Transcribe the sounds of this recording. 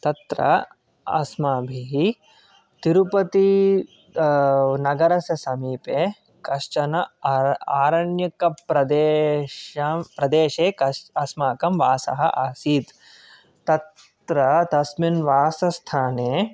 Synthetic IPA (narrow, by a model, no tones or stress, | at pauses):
t̪ɐt̪ɾɐ̰ | ɐ̰smaːbʱiɦi | t̪iɾupɐt̪i | nɐɡɐɾɐsɐsɐmiːpeː | kɐʂt͡ʃɐnɐ | aːɾɐɳjɐkɐpɾɐd̪eːʃɐmpɾɐd̪eːʃeːkɐɐsmaːkɐmʋaːsɐ̰ɦɐ̰ʔaːsiːt̪ | t̪ɐt̪ | ɾɐt̪ɐsminʋaːsɐst̪ʰaːneː